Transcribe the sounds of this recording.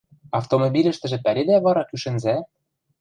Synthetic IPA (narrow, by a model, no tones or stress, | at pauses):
ɑft̪omobʲilʲɘ̆ʃt̪ɘ̆ʒɘ̆pæɾʲed̪æβɑɾɑkyʃɘ̆nzæ